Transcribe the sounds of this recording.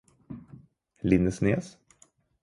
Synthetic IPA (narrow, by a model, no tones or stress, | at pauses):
lɪnːəsneːs